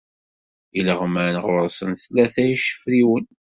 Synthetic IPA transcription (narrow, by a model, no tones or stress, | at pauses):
iləʁmənʁʊɾˤsənθlːæθæjiʃə̥fɾiwən